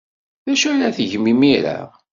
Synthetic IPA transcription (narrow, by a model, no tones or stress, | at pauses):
ðæʃæɾæθʝmimiɾa̰